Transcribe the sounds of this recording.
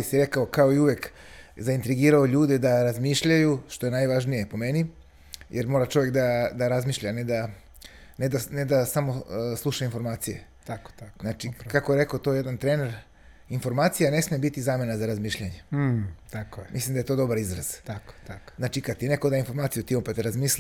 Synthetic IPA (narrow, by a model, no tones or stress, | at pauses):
isiɾe̞kaokao̞iuʋek | zaint̪ɾiɡiːɾaoʎuːd̪ed̪aɾazmiːʃʎajuʃt̪o̞e̞najʋaʒnije̞po̞me̞ni | jʔeɾmo̞ːɾat͡ʃo̞ʋjekd̪ad̪aɾazmiːʃʎaned̪a | ned̪aned̪asamo̞slˠuʃainfo̞ɾmaːt̪sijeako̥t̪aznat͡ʃikakojeɾe̞kot̪o̞je̞d̪ant̪ɾeːneɾ | info̞ɾmaːt̪sijane̞smijbit̪izaːme̞nazaɾazmiːʃʎaɲet̪akoemʔislimd̪aje̞t̪o̞d̪o̞baɾizɾaz̥t̪ako̥t̪akznat͡ʃikad̪t̪ine̞kod̪aːinfo̞ɾmaːt̪ijut̪iompet̪ɾazmiːsli